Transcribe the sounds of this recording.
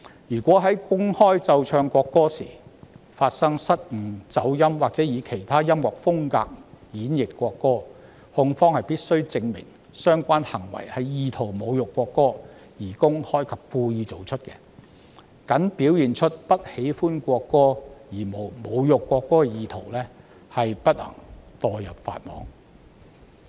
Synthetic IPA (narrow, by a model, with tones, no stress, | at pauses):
jyː˨˩kʷɔː˨˥ɦɐ˨˥jkʊ˥ŋhɔː˥jt͡sɐ˧wt͡ʃʰœː˧ŋkʷɔː˧kːɔː˥sḭː˨˩faː˧t̚sɐ˥ŋsɐ˥t̚ŋ̩˨˩t͡sɐ˨˥wjɐ˥mwaː˨k̚t͡sɛː˨˥jiː˨˧kʰe˨˩jt̪ʰaː˥jɐ˥mwɔː˨˩k̚fʊ˥ŋka̰ː˧k̚jiː˨˥njɪ˨kːʷɔː˧kːɔː˥ | hʊ˧ŋfɔː˥ŋhɐ˨jpiː˥t̚sɵ˥ɥt͡sɪ˧ŋmɪ̰˨˩ŋ | sœː˥ŋkʷaː˥nhɐ˨˩ŋwɐ̰˨˩jhɐ˨˥jjiː˨˧t̪ʰo˨˩wmo˨˧wjʊ˨kːʷɔː˧kːɔː˥ | jiː˨˩kʊ˥ŋhɔː˥jkʰɐ˨p̚kuː˧jiː˧t͡so˨wt͡ʃʰɵ˥t̚kɛ̰ː˧ | kɐ˨˥ŋpiː˨˥wjiː˨nt͡ʃʰɵ˥t̚pɐ˥t̚he˨˥jfuː˥nkʷɔː˧kːɔː˥jiː˨˩mo˨˩wmo˨˧wjʊ˨kːʷɔː˧kːɔː˥kɛ˨˧jiː˨˧t̪ʰo̰˨˩wlɛː˥ | hɐ˨jpɐ˥t̚lɐ̰˨˩ŋt̪ɔː˨jɐ˨p̚fa̰ː˧t̚mɔ̰ː˨˥ŋ